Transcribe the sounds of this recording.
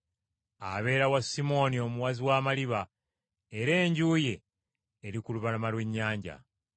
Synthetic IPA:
a̰βe̞ːɾawasimo̞nio̞muwaziwaːmaliβa | eɾe̞ːɲɟuːje̞ː | ɾikuluβalamalwe̞ɲːaːɲɟa̰

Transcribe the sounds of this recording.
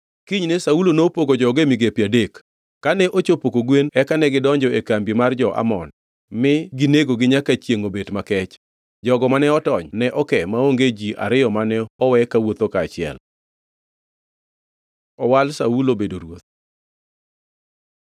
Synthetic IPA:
kiɲnesaulonopoɡod͡ʒɔɡemiɡepjadekː | anɛʔot͡ʃopokoɡwenɛkanɛɡɪdɔɲd͡ʒɔekambimard͡ʒɔʔa̰mɔ̰n | mɪɡineɡoɡɪɲakat͡ʃjeŋobedmakɛt͡ʃ | d͡ʒɔɡɔmanɛɔtɔɲnɛʔɔkɛmaoŋɡed͡ʒiʔa̰ɾɪjɔmanɛɔwɛkawot̪okaːt͡ʃɪɛ̰l | ɔwalsaulobedoɾwot̪̚

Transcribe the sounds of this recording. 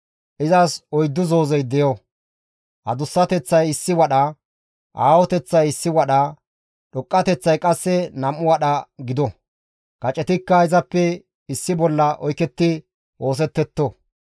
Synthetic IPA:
ʔɪzɐsɔjd̪ːʊzo̞ːzɛjd̪ɛjɔ | hɐ̰d̪ʊsːɐt̪ɛt͡sːɐjɪsːɪwɐɗɐ | ʔaːwɔt̪ɛt͡sːɐjɪsːɪwɐɗɐ | ɗɔkʼːɐt̪ɛt͡sːɐjkʼɐsːɛnɐmːʊwɐɗɐɡɪd̪ɔ | kɐt͡ʃʼɛt̪ɪkːɐɪzɐpːɛ | ɪsːɪbɔlːɐʔɔjkɛt̪ːɪ | ʔo̞ːs̬ɛt̪ːɛt̪ːo

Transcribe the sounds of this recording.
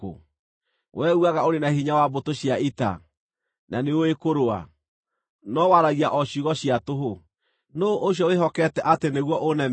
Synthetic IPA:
o̰ | wʔɛuaɣaoɾenahiɲawabotoɕiaita̰ | nʔaneoekoɾoa̰ | nɔwaɾaɣiaʔɔɕuɣɔɕiatoɦo | noʔoɕjɔweɦɔkɛtɛʔateneɣwɔʔonɛ

